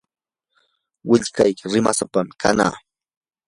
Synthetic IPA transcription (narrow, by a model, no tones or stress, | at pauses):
wɪʎkajkɪɾɪmasapamɪkʰana̰ː